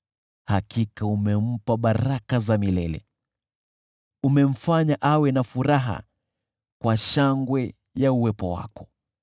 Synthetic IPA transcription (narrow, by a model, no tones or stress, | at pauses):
hakikaumɛm̩paɓaɾakazamilɛlɛ̰ | umɛm̩faɲaʔawɛnafuɾaɦa̰ | kwaʃaŋɡwɛ | jauwɛpɔ̰wa̰kɔ̥